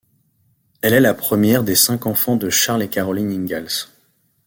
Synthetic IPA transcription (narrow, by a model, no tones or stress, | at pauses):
ɛlɛlapχəmjɛʁd̪esɛ̃kɑ̃fɑ̃d̪əʃaʁlekaʁɔliniŋɡʲals